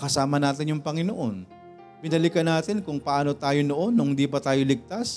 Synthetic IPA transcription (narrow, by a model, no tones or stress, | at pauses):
kɐsaːmɐnaːt̪ɪnjʊŋpɐŋɪno̞ʔo̞n | b̥ɪnɐlɪkɐnaːt̪ɪnkʊŋpɐʔaːno̞t̪aːjo̞no̞ʔo̞nːʊŋhnd̪iːpɐt̪aːjo̞lɪɡ̚t̪as